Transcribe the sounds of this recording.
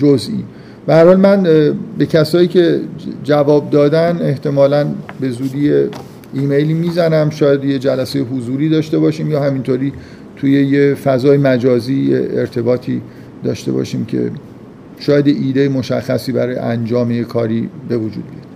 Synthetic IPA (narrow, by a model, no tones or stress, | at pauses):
d͡ʒozʔḭːn | b̥æhæɾhɒːlmænbe̞cʰæsɒːiːcʰe̞d͡ʒævɒːb̚d̪ɒːd̪æne̞ht̪ʰe̞mɒːlænbe̞zuːd̪iːje | iːmejliːmiːzænæmʃɒːjæd̪jed͡ʒælæsejeɦuzuːɾiːd̪ɒːʃt̪e̞bɒːʃiːmjɒːhæmint̪ʰoːɾiː | t̪ʰuːje̞jefæzɒːjemæd͡ʒɒːziːjḛeɾt̪ʰe̞bɒːt̪ʰiː | d̪ɒ̰ːʃt̪e̞̰bɒ̰ʃiːmcʰe̞̰ | ʃɒːjæd̪jeʔiːd̪ejemo̞ʃæ̰xːæsiːbæ̰ɾɒːjḛʔænd͡ʒɒːmejekʰɒːɾiːbe̞vod͡ʒuːd̪̚bijɒd̪̥